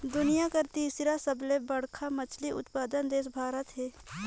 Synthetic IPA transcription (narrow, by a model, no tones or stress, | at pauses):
d̪ʊnɪjakəɾt̪iːsɾasəblẽbəɽkʰamɐt͡ʃʰliʔʊ̰t̪paːd̪ənd̪eːs̬bʱaːɾət̪ɦɛː